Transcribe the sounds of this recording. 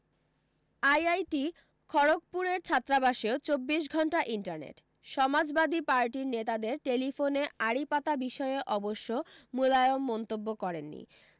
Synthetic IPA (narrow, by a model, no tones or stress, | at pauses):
ajajʈi | kʰɔɾok̚puɾeɾt͡ɕʰat̪ːɾabaʃeot͡ɕobːiʃ̬ɡʱɔɳʈaʔiɳʈaɾnḛʈ | ʃɔmad͡ʑbad̪ipaɾʈiɾnet̪ad̪eɾʈelifoneaɾipat̪abiʃɔeʔɔboʃːomulajomːɔnt̪obːokɔɾenːḭ